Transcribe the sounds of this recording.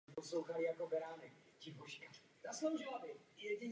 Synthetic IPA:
poslowxalɪjakobɛɾaːnɛk | cɪpoʃka | zaslowʒɪlabɪjɛɟɪɲ

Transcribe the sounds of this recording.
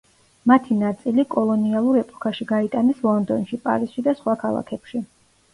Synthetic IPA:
mat̪ʰinat̪sʼilikʼɔlˠɔnialˠuɾɛpʼɔ̥kʰaʃiɡait̪ʼanɛslˠɔnd̪ɔnʃipʼa̰ɾisʃid̪asχwakʰalˠa̰kʰɛpʃi

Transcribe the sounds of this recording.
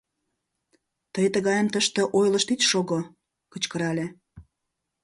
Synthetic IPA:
t̪əjt̪əɣɑjəmt̪əʃt̪ĕʔojlə̆ʃt̪itʃoɣo | kə̆t͡ɕkəɾɑlʲe

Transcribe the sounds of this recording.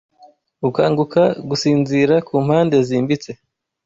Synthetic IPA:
ukaːŋɡukʰaɡusiːnziɾakuːm̥haːnde̞ziːmbit͡se̞

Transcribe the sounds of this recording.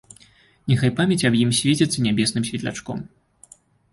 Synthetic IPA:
nʲɛxajpamʲɛt͡sʲɐbjimsʲvʲet͡sʲɛt̪sɐnʲabʲɛsnɨmsʲvʲɛt̪lʲa̰t͡ʂkɔ̰m

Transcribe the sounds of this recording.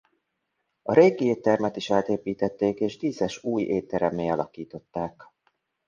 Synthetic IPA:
ɒɾeːɡieːt̪ːɛrmɛt̪iʃaːt̪eːpiːt̪ɛt̪ːeːkeːʒd̪iːzɛʃuːjeːt̪ːɛɾɛmːeːɒlɒkiːt̪o̞t̪ːaːk

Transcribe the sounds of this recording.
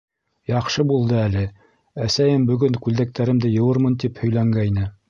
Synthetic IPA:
jɑqʃɤbulˠd̪ɤælɘ | æsæjɘmbɵ̆ɡɵŋkʉld̪æk̚t̪ʰæɾɘ̆md̪ɘjɤ̆wɤɾmɤnt̪iphɵ̆jlæŋɡæjnɘ

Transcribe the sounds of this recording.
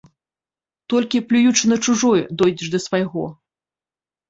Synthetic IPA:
t̪ɔlʲkʲiplʲujut͡ʂɨnɐt͡ʂuʐɔjɛd̪ɔjd͡zʲɛʂd̪ɐsvajɣɔ

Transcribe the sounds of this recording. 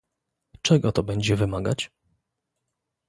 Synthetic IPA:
t͡ʂɛɡɔt̪ɔbɛɲd͡ʑɛvɘmaɡat͡ɕ

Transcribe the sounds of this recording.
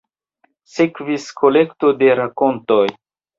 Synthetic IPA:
sekviskʰolektode̞ɾakontoj

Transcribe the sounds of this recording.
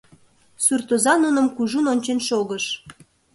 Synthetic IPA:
surt̪ozɑnunəmkuʒunonʲt͡ɕenʃoɣəʃ

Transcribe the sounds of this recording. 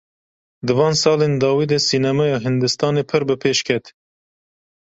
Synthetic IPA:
d̪ɨvɑːnsɑːleːnd̪ɑːwiːd̪ɛsiːnɛmɛjɑːɦɨnd̪ɨst̪ɑːneːpʰɨɾbɨpʰeːʃkʰɛt̪

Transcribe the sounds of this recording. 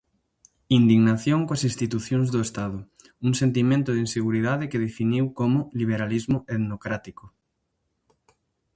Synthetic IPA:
ind̪iɣnaθjoŋkoasinst̪it̪uθjoŋzðoest̪aðʊ | uŋsent̪imẽnt̪ʊðinseɣuɾið̞aðekeðefiniwkomʊliβ̞eɾalizmʊet̪nokɾat̪iko

